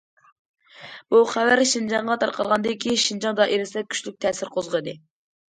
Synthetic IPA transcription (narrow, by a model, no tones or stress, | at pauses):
b̥uχæwæɾʃind͡ʒɑɴʁɑt̪ʰɑ̰ɾqʰɑlˠʁɑnd̪ɨkʲʰiʃind͡ʒɑŋd̪ɑʔeɾɪsɛkʲʰy̥ʃlyk̚ʲt̪ʰɛsɪɾqʰozʁəd̪ɨ